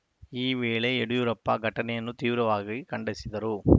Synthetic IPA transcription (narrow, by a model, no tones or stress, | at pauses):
iːʋeːɭɐɛɽɯjuɾɐpːaːɡʱɐʈːɐnɛjɐnːɯt̪iːʋɪɾɐʋaːɣɐkɐɳɖɐsiðɐɾu